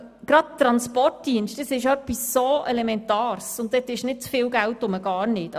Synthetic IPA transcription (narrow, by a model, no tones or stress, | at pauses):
ɡ̥ɾɑd̚tːɾɑnspɔt̚diənʃtdəsɪʃœpːisːoʔɛlɛmɛntɑːɾsʊntd̪ɛtɪʃnɪt̚t͡sfɪːlɡæltʊməɡɑːɾnɪt